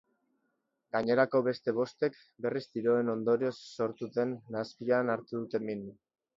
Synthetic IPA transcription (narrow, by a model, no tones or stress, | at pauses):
ɡ̥aɲe̞ɾako̞βe̞st̪e̞β̞o̞st̪e̞k | be̞rizd̪iɾo̞e̞no̞nd̪o̞ɾio̞sːo̞ɾt̪ut̪e̞nːaspianaɾt̪uðut̪e̞min